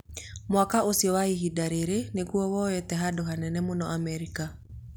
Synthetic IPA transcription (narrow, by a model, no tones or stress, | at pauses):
mwakaʔosiɔwaiɦidaɾeɾeneɣuɔwɔjɛtɛɦadoɦanɛnɛmonɔʔamɛɾika